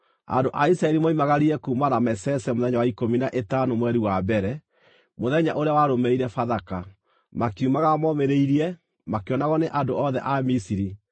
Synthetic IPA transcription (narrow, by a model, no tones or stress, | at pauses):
a̰ndoʔaisɾaɛɾimoimaɣaɾiɛkuːmaɾamɛsɛsɛmoðɛɲawaikominaʔetanomwɛɾiwabɛɾɛ | moðɛɲaʔoɾeawaɾomɛiɾɛfaðaka | makiumaɣamɔmeɾeiɾiɛ | makeɔnaɣɔneʔandoʔɔðɛʔamisiɾi